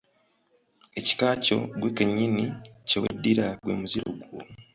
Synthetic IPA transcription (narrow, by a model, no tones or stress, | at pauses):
e̞ci̥kaːco̞̰ɡwekeɲːinicewḛdːiɾaɡwḛːmuziɾo̞̰ɡwo